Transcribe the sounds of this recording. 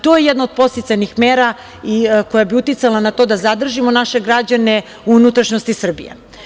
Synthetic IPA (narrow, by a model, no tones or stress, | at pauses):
t̪ojejed̪naod̪̚po̞st̪isajnixmeːɾa | ikojabiut̪it̪salanat̪o̞ːd̪azad̪r̩ʒimo̞naʃe̞ɡɾad͡ʑane̞ | uunut̪ɾaʃnost̪isr̩bḭjḛ